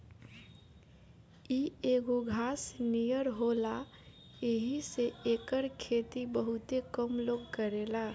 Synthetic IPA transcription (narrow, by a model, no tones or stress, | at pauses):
ieɡoɡʱaːsnijəɾɦola | eɦiseeːkəɾkʰeːt̪ibəɦʊt̪ekəmloːɡ̚kəɾelaː